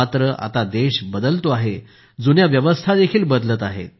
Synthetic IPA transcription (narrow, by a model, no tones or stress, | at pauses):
at̪ɾəʔa̰t̪ad̪eɕbəd̪əlt̪oaɦe | d͡zunjaʋjəʋəst̪ʰad̪ekʰiːlbəd̪ləːt̪aɦḛt̪̚